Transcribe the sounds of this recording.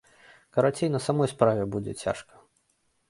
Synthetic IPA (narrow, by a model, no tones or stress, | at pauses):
kɐɾat͡sʲejnɐsamɔjspɾavʲɛbud͡zʲɛt͡sʲa̰ʂkɐ̥